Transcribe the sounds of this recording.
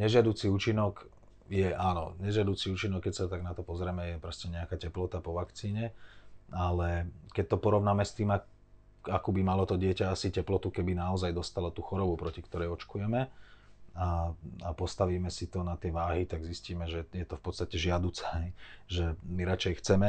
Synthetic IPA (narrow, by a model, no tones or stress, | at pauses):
ɲɛʒɪad̪uːt͡siuːt͡ʃinɔk | jɛʔaːnɔ̰ɲɛʒɪad̪ut͡siuːt͡ʃinɔkːɛcsat̪aɡnat̪ɔpɔzɾɛmɛjɛpɾɛscɛɲɛakaːcɛplɔt̪apɔʋakt͡siːɲɛ | alɛkɛc̚t̪ɔpɔɾɔʋnaːmɛst̪iːma | akuːbimalɔt̪ɔɟɪɛcaasicɛplɔt̪ukɛbinaɔzajd̪ɔst̪alɔt̪uːxɔɾɔbupɾɔcikt̪ɔɾɛjɔt͡ʃkujɛmɛ | aapɔst̪aʋiːmɛsit̪ɔnat̪ɪɛʋaːɦit̪aɡzisciːmɛʒɛjɛt̪ɔfpɔt̪t͡st̪acɛʒɪad̪uːt͡sɛɦɛjʒɛmiɾat͡ʃɛjxt͡sɛmɛ